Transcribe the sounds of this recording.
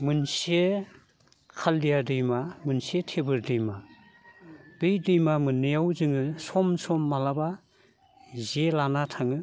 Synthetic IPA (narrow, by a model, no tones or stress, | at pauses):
mɯnse | kʰaldijadɯjmamɯnsetʰebɯɾdɯjma | bɯjdɯjmamɯnːijawzɯŋɯsɔmsɔmːalaba | zelanatʰaŋɯ